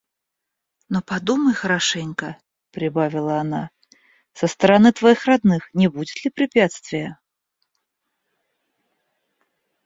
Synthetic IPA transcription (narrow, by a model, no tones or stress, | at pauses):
nɔpad̪umɐjxɐɾaʂɛnʲkɐ | pɾɨbavʲilˠɐːna | sɐst̪ɐɾanɨt̪vajixrad̪nɨxnʲɛbud͡zʲɛt̪ʲlʲipɾɨpʲat̪st̪vʲijɐ